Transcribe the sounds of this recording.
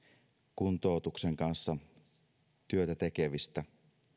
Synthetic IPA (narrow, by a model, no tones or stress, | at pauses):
kunt̪oˑut̪ukseŋkɑnsːɑ | t̪yøt̪æt̪e̞keʋist̪æ